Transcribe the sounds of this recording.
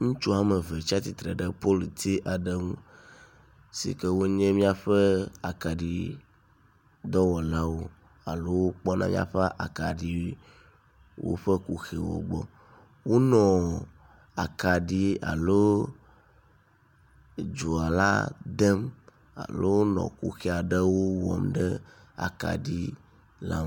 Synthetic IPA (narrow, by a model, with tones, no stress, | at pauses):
ŋũ˦t͡ʃu˦a˦mɛ˨ve˨t͡ʃi˦a˦t̪i˨t̪ɾɛ˨ɖɛ˦po˦lt̪i˦ʔa˨ɖɛ˦ŋũ˦ | sḭ˨kɛ˦wo˦ɲɛ̃˦mĩ˦a˨ɸɛ˦a˨ka˨ɖi˨ | d̪ɔ˦wɔ˨la˦wo˦ | a˨lo˦wo˦k͡pɔ˦nã˦mḭ̃˦ã̰˨ɸa˦ʔa̰˨ka˨ɖi˨ | wo̰˦ɸɛ˦ku˨xe˨wɔ̰˨ɡ͡bɔ̰˨ | wo˦nɔ̃˨ | a̰˨ka˨ɖi˦a̰˨lo˦ | d͡ʒo˨a˨la̰˦d̪ɛ˦m | a̰˨lo˦nɔ̰̃˨kṵ˦xe˨a˨ɖə˦wo˦wɔ̰˨mɖɛ˦ | a̰˨ka̰˨ɖi˦ | la̰˦